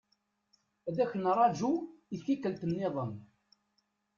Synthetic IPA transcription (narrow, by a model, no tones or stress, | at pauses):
æd̪æçənrˤɑd͡ʒuiθikəlt̪ənːeðˤəm